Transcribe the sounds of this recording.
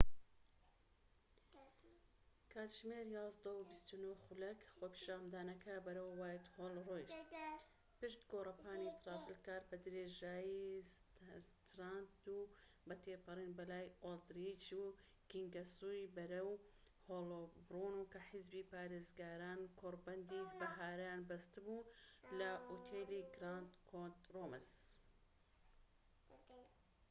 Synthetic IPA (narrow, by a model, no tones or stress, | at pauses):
kʰaːt̪ʒmeːɾjɑːzd̪ɐwbist̪unoxulɐkχoːpʰi̥ʃaːmd̪aːnɐkɐbɐɾɐwːaːjt̪holrojʃ | pɨʃt̪ɡoːrˤɐpʰaːnit̪ɾɑːfilkaːɾbɐd̪ɾeːʒaːji | st̪ɾaːnd̪u | bɐt̪ʰeːpɐɾiːnbɐlaːjold̪ɾid͡ʒuː | kiŋɡɐsuːjbɐɾɐw | hoːlobruːnukɐħɪzbiːpaːɾeːzɡaːɾaːnkʰoːɾbɐnd̪iːbɐɦaːɾajaːnbɐst̪ɨbuːlɐʔoːt̪ʰeːliɡɾaːnt̪kʰont̪roːməs